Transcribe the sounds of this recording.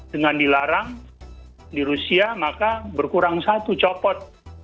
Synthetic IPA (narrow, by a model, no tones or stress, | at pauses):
dəŋandilaɾaŋ | diɾusiamakabərkuɾaŋsat̪ut͡ʃɔpɔt̪̚